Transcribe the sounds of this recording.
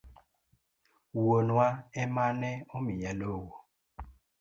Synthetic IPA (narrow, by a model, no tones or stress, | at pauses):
wonwaɛmanɛomijalowo